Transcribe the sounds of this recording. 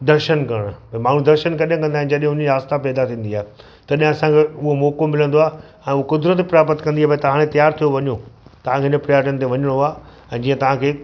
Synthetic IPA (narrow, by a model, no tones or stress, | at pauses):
d̪ɐɾʃənkɐɽ̃pɐmaːn̤ũd̪ɐɾʃənkɐɗɦə̃kɐ̃nd̪aːɦɪ̃nɪd͡ʑɐɗɦɪ̃ɦʊnaːst̪apɛːd̪at̪ʰĩːn̆d̪iaːɦe | t̪ɐɗiɦɪ̃ɐsãkʰeʊɦomɔːkomɪlə̃nd̪oaː | ɛ̃ːʊɦokʊd̪ɾət̪pɾaːpət̪kɐ̃nd̪iaːpɐ̃t̪ɐʋ̤ãːɽ̃et̪ɐjaːɾt̪ʰijoʋɐɲot̪ɐʋ̤ãkʰeɪnəpɾɪjaːɾʈənɪ̆t̪eʋɐɲəɽ̃oaː | ɛ̃ːd͡ʑiːə̃t̪ɐʋ̤ãkʰeː